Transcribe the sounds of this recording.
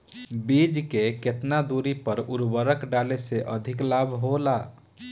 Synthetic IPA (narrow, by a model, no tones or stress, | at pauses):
bid͡ʒkeket̪nad̪uɾipəɾuɾbəɾəkɖaleseʔəd̪ʱiklabʱɦola